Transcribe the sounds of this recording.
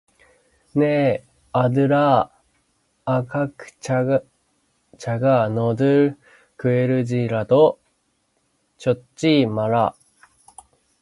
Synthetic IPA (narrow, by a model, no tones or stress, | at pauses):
ne | ad̪ɯɾa | kakɯ̟̥ | t͡ɕaɡanod̪ɯ | kɯ̟eɾɯ̟d͡ʑiɾat̪o | t͡ɕo̞timaɾa̰